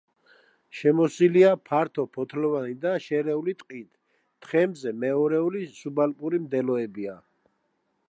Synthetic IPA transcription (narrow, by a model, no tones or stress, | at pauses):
ʃɛmɔsiliapʰaɾt̪ʰɔpʰɔt̪ʰlɔvanid̪aʃɛɾɛulit̪ʼqʼit̪ʰ | t̪χɛmzɛmɛɔɾɛulisubalpʼuɾimd̪ɛlɔɛbia